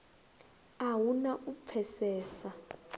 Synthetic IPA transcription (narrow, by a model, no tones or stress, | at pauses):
awunaʔup̪fʰɛsɛːsa